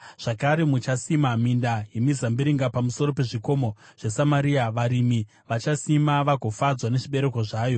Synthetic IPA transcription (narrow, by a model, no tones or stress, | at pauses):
ʐ̥akaɾemut͡ʃasimamindajemizambiɾiŋɡapamuso̞ɾope̞ʐiko̞mo̞ʐ̥esamaɾiaʋaɾimi | ʋat͡ʃasimaʋaɡʱo̞fad͡zwane̞ʐiɓe̞ɾe̞ko̞ʐaːjo̞